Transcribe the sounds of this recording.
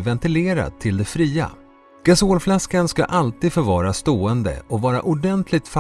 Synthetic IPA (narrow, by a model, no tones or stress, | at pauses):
vɛnt̪ɪleːɾa̰t̪ʰːɪld̪ɛfɾiːa̰ | ɡ̥asoːlflaskanska̰ʔalt̪iːd̪fœɾvɑːɾast̪oːɛnd̪ə̰ʔɔvɑːɾa̰ʔʊɖɛnt̪ʰlɪɡ̚t̪f